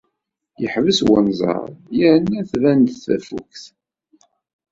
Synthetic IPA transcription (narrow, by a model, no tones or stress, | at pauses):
jəħvəswənzˤɑ̰ɾˤjəɾənːæθvænd̪θæfṵkθ